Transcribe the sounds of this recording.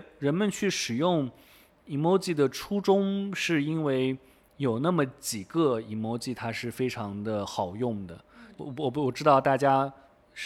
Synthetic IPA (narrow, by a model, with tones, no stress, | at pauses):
ɻə˧˥nmə˧nt͡ɕʰy˥˩ʂɻ̩˨˩jʊ˥˩ŋ | i˧˥mo˧˥ʊt͡ɕi˥˩d̪ə˩ʈ͡ʂʰu˥ʈ͡ʂʊ˥ŋʂɻ̩˥˩i˥nwe˥˩ɪ | jo˨˩ʊna˥˩mə˩t͡ɕi˨˩ɡə˧i˧˥˩mo˧˥ʊt͡ɕi˥˩t̪ʰa˥ʂɻ̩˥˩fe˥ɪʈ͡ʂʰɑ˧˥ŋd̪ə˧xɑ˨˩ʊjʊ˥˩ŋd̪ə˩wɔ˨˩wɔ˨˩ʈ͡ʂɻ̩˥t̪ɑ˥˧ʊt̪a˥˩t͡ɕja˥ | ʂ